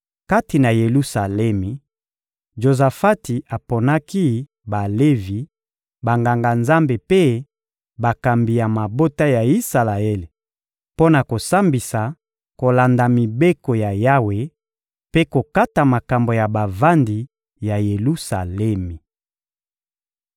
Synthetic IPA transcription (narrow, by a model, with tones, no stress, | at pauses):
ka˦ti˨na˨je˨lu˦sa˨lɛ˦mi˨ | ʒo˨za˨fa˦ti˨a˨po˨na˦ki˦ | ba˨le˦vi˨ | ba˨ŋɡa˨ŋɡa˨nza˦mbe˨pe˦ | ba˨ka˨mbi˨ja˨ma˨bo˦ta˦ja˨i˦sa˨la˨e˦le˨ | po˦na˨ko˨sa˦mbi˨sa˨ | ko˨la˨nda˨mi˨be˦ko˨ja˨ja˦we˨ | pe˦ko˨ka˦ta˨ma˨ka˨mbo˨ja˨ba˨va˦ndi˨ | ja˨je˨lu˦sa˨lɛ˦mi˨